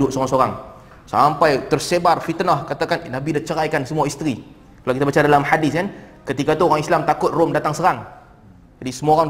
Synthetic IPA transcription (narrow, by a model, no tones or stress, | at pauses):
dʊʔ̚soɣaŋsoɾaŋ | sampajt̪ərsebarfit̪nɔhkat̪akannabidaht͡ʃəɾajkansəmuaist̪ɾi | kalawkit̪abat͡ʃadalamħadɪskan | kət̪ikat̪uoɾaŋislamt̪akʊt̪̚rʊmdat̪aŋsəɾaŋ | d͡ʒadisəmuoɣaŋ